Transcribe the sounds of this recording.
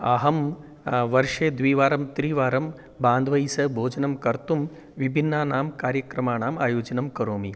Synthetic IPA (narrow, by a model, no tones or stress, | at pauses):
ɐ̰ɦɐm | ʋɐɾʂeːd̪ʋiːʋaːɾɐmt̪ɾiːʋaːɾɐm | baːnd̪ʋɐjsɐbʱoːd͡ʒɐnɐmkɐɾt̪um | ʋibʱinːaːnaːmkaːɾjɐkɾɐmaːɳaːmaːjoːd͡ʒɐnɐmkɐɾoːmi